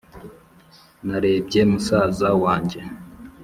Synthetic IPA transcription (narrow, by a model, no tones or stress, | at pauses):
naɾe̞ːb̚ɟe̞musaːzawaːɲɟe̞